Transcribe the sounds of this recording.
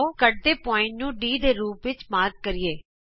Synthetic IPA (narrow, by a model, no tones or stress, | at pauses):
okəʈ̚d̪eːpɔːɪ̃ɳʈnũːɖiːd̪eːɾuːpʋɪt͡ʃmaːɾɡ̚kəɾɪeː